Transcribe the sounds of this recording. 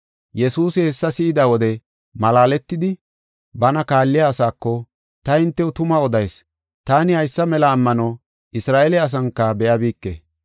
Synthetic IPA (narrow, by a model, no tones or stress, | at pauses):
jɛsuːsɪhɛsːɐsɪɪd̪awɔd̪ɛ | mɐlaːlɛt̪ːɪd̪ɪ | bɐnɐkaːlːɪjaːsaːkːɔ | t̪ɐɪnt̪ːɛʊt̪ʊmɐɔd̪ɐjs | t̪aːnɪhɐjsːɐmɛlɐːmːɐnɐ | ʔɪsɾaːʔelɪɐs̬ɐŋkːɐbɛjabiːkːḛː